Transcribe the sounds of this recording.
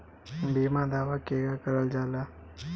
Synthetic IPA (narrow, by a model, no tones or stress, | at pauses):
biːmãd̪aːʋakeːɡakəɾəld͡ʒaːlaː